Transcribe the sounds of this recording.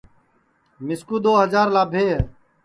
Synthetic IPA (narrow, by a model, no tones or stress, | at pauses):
mɪskuːd̪oːɦəzaːɾlaːbʱeːɦ